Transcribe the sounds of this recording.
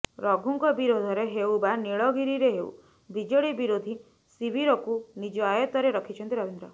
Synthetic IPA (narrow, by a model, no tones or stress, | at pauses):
ɾɔɡʱuŋkɔbiɾod̪ʱɔɾeɦewbaneɭɔɡiɾiɾeɦeṵ | bid͡ʒɔɽibiɾod̪ʱi | sibʱiɾɔkunid͡ʒɔajɔt̪ɔɾeɾɔkʰit͡ʃʰɔnt̪iɾɔbend̪ɾɔ